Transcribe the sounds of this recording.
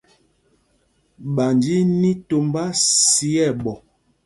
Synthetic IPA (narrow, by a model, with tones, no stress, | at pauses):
ɓa˨nd͡ʒi˦ni˦to˨mba˦si˦ɛ˦˨ɓɔ˨